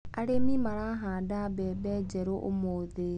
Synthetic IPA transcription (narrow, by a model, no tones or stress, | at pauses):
aɾemimaɾaɦaadabɛbed͡ʒeɾoʔʊ̰moðe